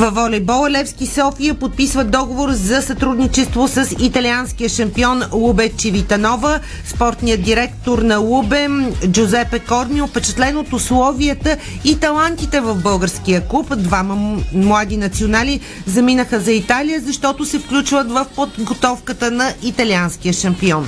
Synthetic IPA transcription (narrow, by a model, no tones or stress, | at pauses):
vɐvɔlʲɛbɔlˠəlɛfskisɔfijəpot̪̚pisvəd̪ɔɡovoɾzɐsɐt̪ɾud̪nit͡ʃɛst̪vosəsit̪ɐlʲiansk̟ijəʃɐmpiɔnlˠubɛt͡ʃivit̪ɐnɔvə | spɔɾt̪nijət̪d̪iɾɛkt̪oɾnɐlˠubɛmd͡ʒozɛpɛkɔɾmiʊpɛt͡ʃɛt̪lɛnot̪ʊslˠɔviət̪ə | it̪ɐlˠant̪it̪ɛvəvbɤlˠɡəɾskiəkupd̪vaməmlˠad̪inɐt̪sionali | zɐminəxəzɐit̪alijəzɐʃt̪ɔt̪ʊsɛfklʲut͡ʃvət̪vəfpod̪ɡot̪ɔfkət̪ənɐit̪ɐlʲiansk̟ijəʃɐmpiɔn